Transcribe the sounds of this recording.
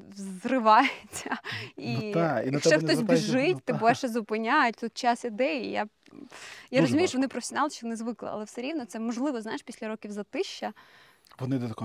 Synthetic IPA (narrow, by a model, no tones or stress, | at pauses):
zrɪʋɑjet͡sʲːɐiinʃʃɛxtɔsʲbʲiʒɪtʲt̪ɪbʋɛʃɛzʊpɪnʲajʊtʲt̪ut̪̚t͡ʃasid̪ɛjija̰ | jaɾɔzʊmʲijʊʃʋɔnɪpɾɔfe̥sʲɔnɑlˠʃt͡ʃiʋɔnɪzʋɪklˠɛ̰ɐ̰lˠɛfsɛɾʲiwnɔt̪sɛmɔʒlˠɪʋɔznajeʂpʲisʲlʲɐɾɔkʲiwzɐt̪ɪʃt͡ʃːɐ | ʋɔnɪd̪ɛt̪ɐk